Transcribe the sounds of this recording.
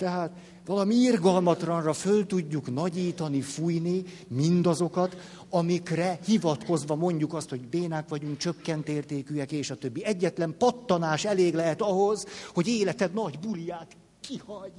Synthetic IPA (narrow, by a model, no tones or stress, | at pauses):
t̪ɛɦaːt̪ | ʋɒlɒmiirɡɒlmɒt̪lɒnrɒfølt̪uɟːuknɒɟiːt̪ɒnifujni | mind̪ɒzo̞kɒt̪ | ɒmikrɛhivɒt̪ko̞zʋɒmo̞ɲɟukɒst̪ho̞ɟbeːnakʋɒɟuŋk̚t͡ʃøkːɛnt̪eːrt̪eːkyɛkeːʃɒt̪øbːiɛɟːɛt̪lɛmpɒt̪ːɒnaːʃɛleːɡlɛɦɛt̪ɒɦozho̞ɟeːlɛt̪ɛd̪nɒɟbulijaːt̪ | kihɒɲ